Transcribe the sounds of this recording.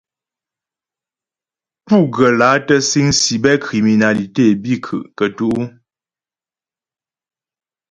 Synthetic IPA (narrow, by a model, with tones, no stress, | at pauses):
pu˦˨ɡə˨la˨˦tə˦si˦ŋsi˨bɛ˦kɾi˨mi˨na˨li˨te˦˨bi˦˨kʰɨ̰˨ʔkə˨tu˦ʔu˦